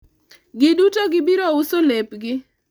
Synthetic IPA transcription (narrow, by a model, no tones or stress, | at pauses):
ɡɪdutoɡɪbiɾoʊsolepɡɪ